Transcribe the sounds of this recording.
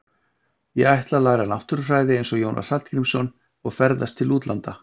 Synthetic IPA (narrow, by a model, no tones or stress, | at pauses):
jɛɣajht̪lalaːɣɾanawht̪ʏɾʏfraːjðɪejnsɔɣjoːwnʔa̰̥salt̪kɾimsɔn | ɔɣfɛɾðast̪ʰːɪluːt̪lʔant̪a